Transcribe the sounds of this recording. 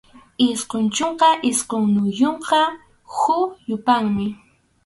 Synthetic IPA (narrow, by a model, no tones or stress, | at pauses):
ɪsqont͡ʃoɴqɑʔɪsqoŋnʊjoɴqɑ | xʊjʊpaŋmɪ